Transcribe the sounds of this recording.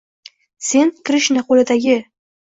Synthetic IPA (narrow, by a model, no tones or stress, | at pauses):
se̞nkʲʰɪɾɪʃnɪqʰolɪd̪aɡʲɪ